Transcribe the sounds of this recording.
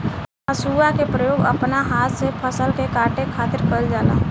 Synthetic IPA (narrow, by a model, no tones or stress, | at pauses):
əsuːakepɾəjoːɡə̰pnaɦaːt̪sepʰəsəlkekaːʈekʰaːt̪ɪɾkəld͡ʒaːla̰ː